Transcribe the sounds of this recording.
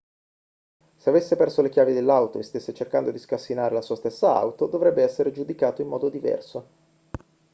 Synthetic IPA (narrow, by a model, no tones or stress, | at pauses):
seavesːepɛrsolek̟jaːvid̪elːawt̪oest̪esːet͡ʃerkand̪od̪iskasːinaːɾelasuːast̪esːaa̰wt̪od̪ovɾɛbːeɛsːeɾed͡ʒud̪ikaːt̪oimːɔːd̪od̪ivɛ̰rso